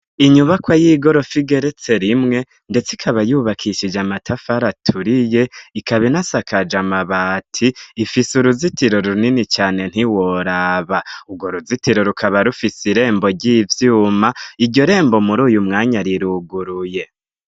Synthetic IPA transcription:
iɲuβakwajiːɡo̞ɾo̞fiɡe̞ɾe̞t͡se̞ɾimŋe̞ | nde̞t͡sikʰaβajuːβakʰiʃid͡ʒamatʰafaɾatʰuɾije̞ikʰaβinasakad͡ʒamaβaːtʰiːfisuɾuzitiɾo̞ɾuninit͡ʃaːne̞n̥iwoɾaβauɡoɾuzitiɾo̞ɾukʰaβaɾufisiɾe̞ːmbo̞ɟiːvjuːmaiɾɟo̞ɾe̞ːmbo̞muɾuːjumŋaːɲaɾiɾuɡuɾuje̞

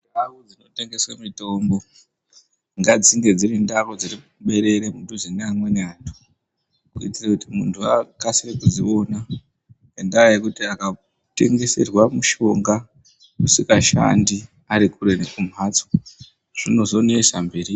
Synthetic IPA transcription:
ndakod͡zino̞te̞ŋɡe̞swamito̞mbo̞ | ŋɡad͡ziŋɡe̞d͡zirindarod͡ziri | ɓe̞ɾe̞ɾemuntuzineamwe̞neaːntʰu̥ | kuitirakutimuntʰuakasirekuzio̞na | endajekutiaka | te̞̰ŋɡe̞se̞̰rwamuʃo̞ŋɡa | kusikaʃa̰ndi | aɾikuɾe̞ne̞kum̤at͡so | ʐ̥ino̞zo̞neʃambe̞ːɾi

